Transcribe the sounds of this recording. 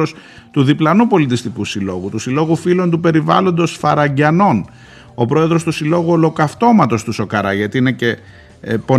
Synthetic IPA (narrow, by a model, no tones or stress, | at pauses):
os | t̪uðiplɐnupo̞lit̪ist̪ikusilo̞̰ɣut̪usilo̞ɣufilo̞nt̪̬upe̞ɾivɐ̰lo̞nd̪o̞sfɐɾɐɲɟɐno̞n | o̞pɾo̞eðɾo̞st̪usilo̞ɣuolo̞kɐft̪o̞mɐt̪o̞st̪uso̞kɐɾɐʝɐt̪iine̞ce | po̞